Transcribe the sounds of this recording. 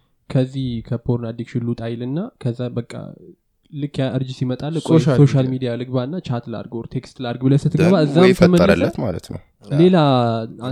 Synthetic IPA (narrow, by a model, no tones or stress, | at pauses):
kʰəzːihkʰəpʰoɾnad̪iɡʃɪlːut̪ʼajlɨnːakʰəzːabəkʼːa̰ | lɨkːjaʔɨɾd͡ʒisimət̪ʼalːkʼosoʃalmid̪ijalɨɡbaɨnːat͡ʃat̪la̰ɾɡoɾt̪ʰe̞kst̪laɾɡbɨləsɨt̪ʰːɨɡbaɨzːamʰəməəə̰lːət̪ma̰lə̰t̪nə̰w | le̞la